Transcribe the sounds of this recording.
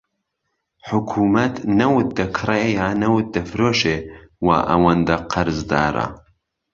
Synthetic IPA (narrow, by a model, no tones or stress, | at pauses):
ħʊkʰuːmɐt̪nɐwʊt̪̚d̪ɐkʰɨrejaːnɐwʊt̪̚d̪ɐfɾoːʃewa̰ːʔɐ̰wɐnd̪ɐqʰɐɾzd̪a̰ːɾɐ̰